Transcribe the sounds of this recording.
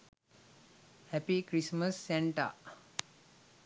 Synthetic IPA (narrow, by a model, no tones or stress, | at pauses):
hɛpikɾisməsːɛɳʈa̰